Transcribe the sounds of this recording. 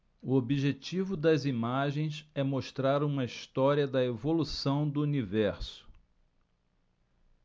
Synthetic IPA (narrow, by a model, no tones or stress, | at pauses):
ʊobiʒet͡ʃivʊd̪ɐzimaʒẽj̃sɛmoʃt̪ɾaɾũmɐist̪ɔɾiɐd̪ɐevolusɐ̃w̃d̪ʊunivɛɾsʊ̥